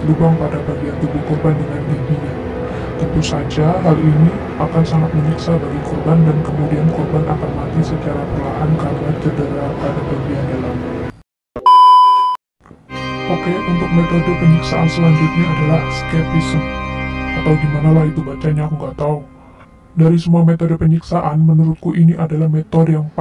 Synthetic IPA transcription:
lubaŋpadabaɡiant̪ubukɔrbandəŋandibiɲa | t̪ənt̪usad͡ʒaɦalini | akansaŋat̪̚məɲiksabaɡikɔrbandankəmudiankɔrbanʔa̰kanmat̪isət͡ʃaɾapəlaʔankarnat͡ʃədəɾapadabaɡiandalama | ʔokeunt̪ʊk̚met̪odopəɲiksaʔansəlaɲd͡ʒʊt̪̚ɲaadalahskɛp̚isəmat̪awdimanalahit̪ubat͡ʃaɲakuŋɡat̪au | daɾisəmuamet̪odopəɲiksaʔanmənuɾʊt̪̚kuʔiniʔadalahmet̪ɔdjaŋp

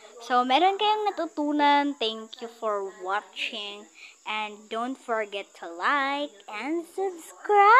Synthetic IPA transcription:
somɛːɾonkɐjoŋnɐt̪ut̪uːnɐnt̪ɛŋkjufɔɹwɑt͡ʃɪ̃ŋʔɛ̃nd̪ownt̪fɔɹɡɛt̪ʰːulajk̚ʔɛ̃nd̪subskɹa

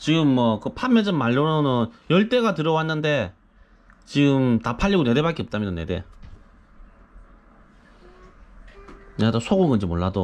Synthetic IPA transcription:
t͡ɕiɡɯmːwʌkɯpʰamjʌd͡ʑɯnmːaɭːoɾonɯnjʌɭt͈e̞ɡatɯɾʌwanːɯnde̞ | t͡ɕiɡɯmnapʰaʎːiɡone̞de̞bak͈eʌp̚t͈amjʌnnːede̞̰ | nedosʰoɡoŋɡɯnd͡ʑimoɭːado

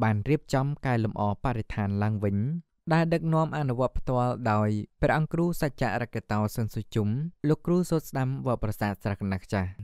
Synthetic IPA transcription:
ɓaːnriəp̚t͡ɕɑmkaɛlumʔɑːpaʔɾet̪ʰaːnlaəŋʋɨɲ | ɗaɛlɗək̚nŏəmʔanuʋŏət̪̚pʰt̪ŏəlɗaɔjprɛ̆ɐʔɑŋkruːsac̚t͡ɕa̰ʔrakːet̪aːsonsut͡ɕumloːkːruːsoːt̪̚sɗamʋɔ̆əprɑsaːt̪̚srakɑnakʰt͡ɕah

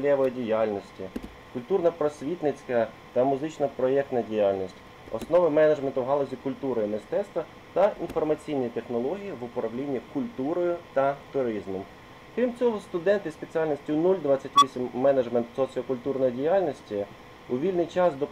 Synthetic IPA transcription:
lʲɛʋɔjidʲijɑlʲnɔsʲtʲi | kʊlʲt̪urnɐpɾɔsʲʋʲit̪nɪt͡sʲkɐ | t̪ɐmʊzɪt͡ʃnɐpɾɔɛk̚t̪nɐdʲijɑlʲnʲisʲtʲ | ɔ̰snɔʋɪmɛnɐʒment̪ʊwɦɑlˠɔzʲikʊlʲt̪uɾɔjimɪst̪ɛt̪st̪ʋɐ | t̪ɐinfɔrmɐt͡sʲijnʲijit̪e̞xnɔlˠɔɦʲijiʋʊpɾɐwlʲinʲːikʊlʲt̪uɾɔjʊt̪ɐt̪ʊɾizmʊm | kɾʲimt͡sʲɔɦɔst̪ʊd̪ɛnt̪ɪspet͡sʲijalʲnɔsʲtʲiʊnulʲd̪ʋɑt͡sʲːɐtʲʋʲisʲimːɛnɐd͡ʒment̪sɔt͡sʲiɔkʊlʲt̪urnɔjidʲijɑlʲnʲɔsʲtʲi | ʊʋʲilʲnɪjt͡ʃɑsd̪ɔ

